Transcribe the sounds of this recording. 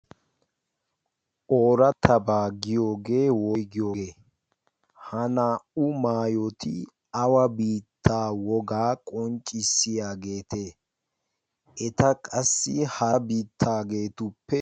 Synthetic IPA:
ʔoːɾɐt̪ʰɐbaːɡɪjo̞ːɡe̞ːwɔjɡɪjoːɡe̞ː | hɐnaːʊmaːjɔt̪ɪ | ɐwɐbiːt̪ʰːaːwɔɡaːkʼɔnt͡ʃʼːɪsːɪjaːɡe̞ːt̪eː | ʔɛt̪ɐkʼɐsːɪhɐbiːt̪ʰːaːɡe̞ːt̪ʊpːɛ

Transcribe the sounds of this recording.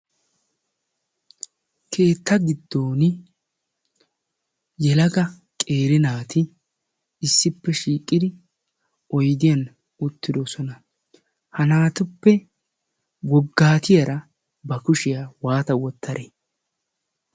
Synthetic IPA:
kʰe̞ːt̪ːɐɡɪd̪ːoːn | jɛlɐɡɐ | kʼe̞ːɾɪnaːt̪ɪ | ɪsːɪpːɛʃiːkʼːɪd̪ɪ | ɔjd̪ɪjɐn | ʊt̪ːɪd̪ɔsɔnɐ | hɐnaːt̪ʊpːɛ | wɔɡːaːt̪ʰɪjɐɾɐ | bɐkʊʃɪjawaːt̪ɐwɔt̪ʰːɐɾʔe

